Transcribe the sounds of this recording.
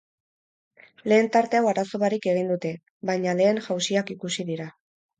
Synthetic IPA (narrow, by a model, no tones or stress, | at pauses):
le̞ːnt̪aɾt̪eawaɾaso̞βaɾike̞ɣ̞ind̪ut̪e̞ | βajɲale̞ːŋʝawsiakikusiðiɾa